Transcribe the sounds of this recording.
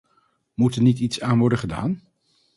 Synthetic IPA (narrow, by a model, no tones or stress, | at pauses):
mutɛɹnititsaːnʋɔɹdəχəda̰ːn